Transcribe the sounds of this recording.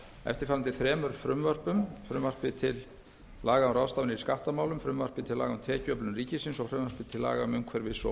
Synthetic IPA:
ɛ̰ft̪ɪɾfaːɾant̪ɪθɾɛːmʏɾfɾʏmvœr̥pʏmfɾʏmvar̥pɪt̪ʰɪlː | aːɣaʏmraːwst̪aːvʏnɪiskaht̪amaːwlʏmfɾʏmvar̥pɪt̪ʰɪlaːɣaʏmt̪ʰɛːcʏœplʏnriːcɪsɪnsɔfɾʏmvœɾ̥pɪt̪ʰɪlːa̰ːɣaʏmʏmkʰvɛːɾvɪðsɔ̰

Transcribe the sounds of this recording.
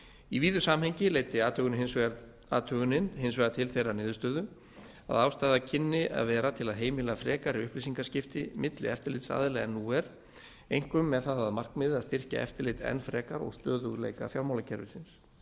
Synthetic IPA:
iviːðʏsaːmhejɲcɪleːjt̪ɪaːt̪ʰœɣʏnɦɪnsɛ | a̰ːt̪ʰœɣʏnɪnɦɪnsvɛɣat̪ʰɪlθejranɪːðʏst̪œːðʏ | a̰ðawst̪aːðacʰɪnːɪa̰ðvɛːɾat̪ʰɪlaðɦeːjmɪlafɾɛːkaɾiʏhplisiŋkascɪft̪ɪmɪt̪lɪ̰ɛft̪ɪɾlɪt̪sa̰ːðɪlɛːɣanːuːɛɾ | ejŋ̥kʏmːɛðθaðaðmar̥kmɪðɪaðst̪ɪr̥ca̰ʔɛ̰ft̪ɪɾlɪt̪ɛ̰nfɾɛːkaɾɔ̰ɣst̪œːðʏɣlḛːjka̰fjawɾmawlacʰɛɾvɪsɪns

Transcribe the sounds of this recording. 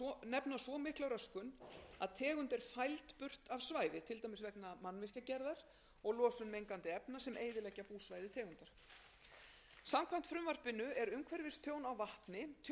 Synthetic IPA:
nɛpnasvɔmɪhklawɾœskʏnaðt̪ʰɛːɣʏnt̪ɪɾ̥fajlt̪pʏr̥t̪avsvaːjðɪt̪ʰɪlt̪ajmɪsvɛknamanːvɪr̥cacɛɾðaɾ̥ | ɔɣlɔːsʏnmejŋkant̪ɪɛpnasɛmʔeːjðɪlɛcːapuːsvajðɪt̪ʰɛːɣʏnt̪aɾ̥ | samkʰvam̥t̪fɾʏmvar̥pɪnːʏɛɾʏmkʰvɛɾvɪst̪ʰjoːwnawvaht̪nɪt̪ʰ

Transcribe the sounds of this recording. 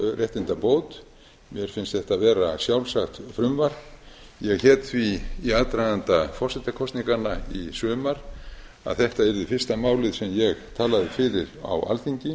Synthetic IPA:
rʔɛht̪ɪnt̪apoːwt̪ | mjɛɾ̥fɪnst̪θɛht̪avɛːɾasjawlsaxt̪fɾʏmvaɾ̥jɛɣhɛːt̪θviaðt̪ɾajnant̪afɔr̥sɛt̪akʰɔst̪niŋkanaisʏːmaɾ̥ | a̰ðθɛht̪aɛɾðɪfɪrst̪amaːwlɪðsɛmjɛɣt̪ʰaːlaðɪfɪːɾɪɾa̰wa̰lθiɲcɪ

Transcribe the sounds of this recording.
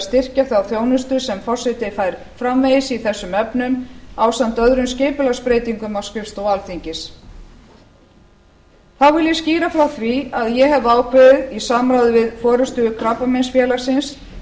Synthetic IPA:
st̪ɪr̥caθawθjoːwnʏst̪ʏɾ̥sɛmfɔr̥sɪt̪ɪfajɾ̥ | fɾamvejɪsiθɛsːʏmœpnʏmawsant̪œðɾʏmsceːpʏlaspɾeːjt̪iŋkʏmawskɾɪfst̪ɔwalθiɲcɪs | θawvɪljɛsciːɾafɾawθviaðjɛɦɛvaːwkʰvɛɪðisaːmɾawðʏvɪðfɔːɾʏst̪ʏʏkʰɾapːamensfjɛːlaɾ̥sɪns

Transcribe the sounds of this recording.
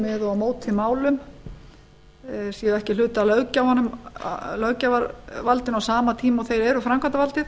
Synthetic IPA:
mɛðɔamoːwt̪ʰːɪlmaːwlʏm | siːʏɛhcɪlʏːt̪alœwcaawhanːʏm̰lœwcavaɾvalt̪ɪnawsaːmat̪ʰiːmaɔɣθejɾɛɾʏfɾamkʰvant̪avalt̪ɪ

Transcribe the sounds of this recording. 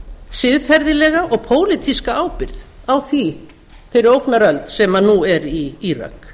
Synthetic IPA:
sɪðfɛɾðɪlɛɣaʔɔɣpʰoːwlɪt̪ʰiskaaːwpɪɾð | awθi | θejɾɪɾowknaɾœlt̪sɛmaðnuɛɾiira̰k

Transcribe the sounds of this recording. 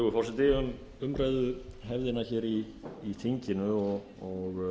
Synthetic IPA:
ɣʏfɔwsɪt̪ɪːʏm | ʏmɾaːjðʏɦɛvðɪnaçɛːɾiː | θiɲcɪnʏɔɣ | ɔɣ

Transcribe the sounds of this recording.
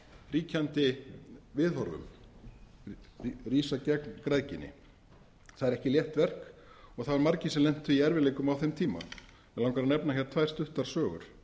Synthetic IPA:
riːcʰant̪ɪvɪðɔɾvʏ̰m | riːsacɛknkɾaːðcɪnːɪ̰ | θaðɛɾɛhcɪljɛht̪vɛr̥kɔɣθaðaɾmaɾcɪsɛmlɛn̥t̪iiɛɾvɪleːjkʏmawθɛmt̪ʰiːma̰n | ɛlawŋkaɾanɛpnaçɛɾ̥t̪ʰvajr̥st̪ʏht̪aɾ̥sœːɣʏ̰ɾ̥

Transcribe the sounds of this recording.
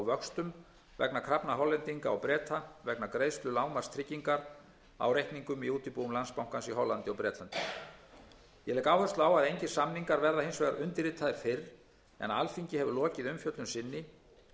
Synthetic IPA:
wvœkst̪ʏm | vɛknakʰɾapnaɦɔlːɛnt̪iŋkaa̰wpɾɛːt̪ʰavɛknakɾeːjðst̪lʏlaːwmaɾ̥st̪ʰɾɪcːiŋkaɾ | a̰wɾejhkniŋkʏmiuːt̪ɪpuːwʏmlanspawŋ̥kansiɦɔlant̪ɪɔpɾɛːt̪lant̪ɪ | jɛlɛːkaːwhœst̪laːwaðejɲcɪ̥samniŋkaɾvɛɾðahejnsvejɣaɾʔʏnt̪ɪɾɪːt̪ʰːaðɪɾ̥fɪr | ɛ̰nalfiɲcɪɦɛvʏlɔːcɪðʏmfjœt̪lʏmsɪnːɪ

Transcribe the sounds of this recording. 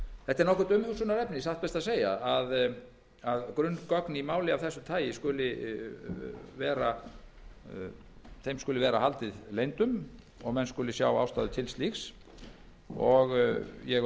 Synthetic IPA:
θɛht̪ːɛɾnɔhkʏɾt̪ʏmhʏsʏnaɾɛpnɪsaht̪pɛst̪aðs̬eːjaað | aðkɾʏnkɔknimaːwlɪavθɛsːʏt̪ʰaːjɪskʏlɪ | vɛːɾa | θejmskʏːlɪvɛːɾahalt̪ɪðleːjnt̪ʏm | ɔɣmɛnskʏːlɪsja̰ːwa̰ːwst̪aːðʏt̪ʰɪlst̪lixs | ɔɣjɛɣ

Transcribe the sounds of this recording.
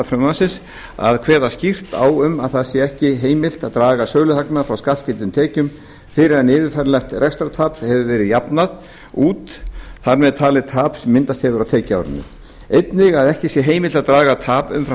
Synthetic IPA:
fɾʏmasɪs | a̰ðkʰv̥ɛːðascir̥t̪a̰ːwʏmaðθaðsjɛɛhcɪɦeːjmɪl̥t̪aðt̪ɾaːɣasœːɣlʏθaknafɾawskalscɪlt̪ʏmt̪ʰɛːcʏm | fɪɾɪɾanɪːðɪɾfajɾlɛxt̪rɛkst̪ɾat̪ʰaːphɛvʏvɛːɾɪðjapnað | uːt̪θaɾmɛðt̪ʰaːlɪt̪ʰaːpsɛmːɪnt̪ast̪hɛvʏɾaðwt̪ʰɛːca̰wɾɪ̰nːʏ̰ | ejt̪nɪɣaðɛhcɪsjɛɦeːjmɪlt̪aðt̪ɾaːɣat̪ʰaːpʏ̰mfɾ

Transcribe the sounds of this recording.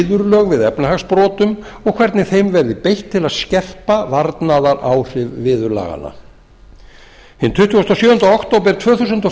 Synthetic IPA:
ðʏɾlœːɣvɪðɛpnaɦaɣspɾɔːt̪ʏmɔɣkʰvɛɾt̪nɪθejmvɛɾðɪpejht̪ʰːɪlaðscɛr̥pavaɾt̪naðaɾa̰wr̥ɪvvɪːðʏɾla̰ɣa̰na̰ | hɪnt̪ʰʏht̪ːɔst̪asjœːʏnt̪ɔht̪owp̬ɛɾt̪ʰv̥œːθus̬ʏnt̪ɔ

